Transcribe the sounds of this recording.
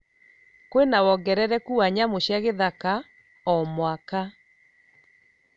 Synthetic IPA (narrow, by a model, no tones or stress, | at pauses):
kwenawɔɡɛɾɛɾɛkuaɲamoɕjaɣeðaka | ɔmwaka